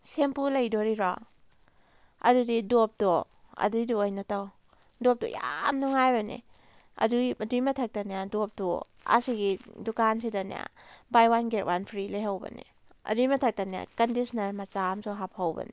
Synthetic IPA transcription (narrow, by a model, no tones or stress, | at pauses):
sempulɐjdɔɾiɾɔ̰ | ɐ̰dudidop̚dɔ | ɐ̰dujduajnataw | dɔp̚dɔ̰jamnuŋajbɐnḭ | ɐ̰dujɐdujmɐtʰak̚tanijadop̚dɔ | a̰siɡidukansidanḭja̰bajwanɡet̚wanpʰɾilajɦawbɐ̰nḭ | ɐ̰dujmɐtʰak̚tanija̰kɐndisnɐɾmɐt͡ʃamsɔɦap̚hawbɐ̰nḭ